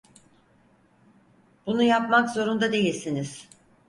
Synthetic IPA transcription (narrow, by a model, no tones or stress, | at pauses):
b̥unujapmakzo̞ɾund̪ad̪e̞jilʲsiniz̥